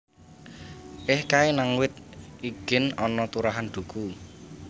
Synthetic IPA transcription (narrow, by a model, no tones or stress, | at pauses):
ʔɪhkaenaŋwɪt̪̚iɡ̥ɪ̤nɔnɔt̪uɾaɦand̪̥ṳkʰu